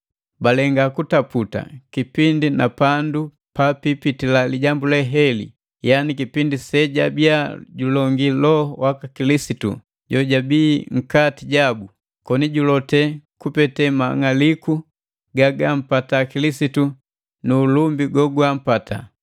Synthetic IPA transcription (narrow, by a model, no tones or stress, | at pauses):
balɛŋɡakutaputa̰kipindinapandu | papipitilaliɟambulɛɦɛlḭ | janikipindisɛɟabiaɟulɔŋɡilɔhwakakilisitṵ | ɟɔɟabiːŋ̩katiɟabu | kɔniɟulɔtɛkupɛtɛma̰ŋaliku | ɡaɡam̩patakilisitu | nulumbiɡɔɡwam̩pata̰